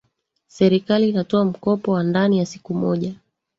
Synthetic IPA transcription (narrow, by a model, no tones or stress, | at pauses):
sɛɾikaliːnatɔam̩kɔpɔwandanijasi̥kumɔʄa